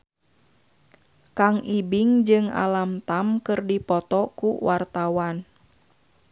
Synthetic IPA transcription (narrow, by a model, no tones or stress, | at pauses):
kaŋibiŋd͡ʒɨŋa̰lamt̪amkɨrdipɔt̪ɔkuwʔart̪awan